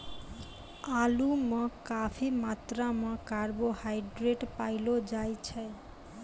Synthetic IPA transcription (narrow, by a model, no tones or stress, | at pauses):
alumɔkafʰimat̪ɾamɔkaɾbohajɖɾeʈpajlod͡ʑajt͡ɕʰe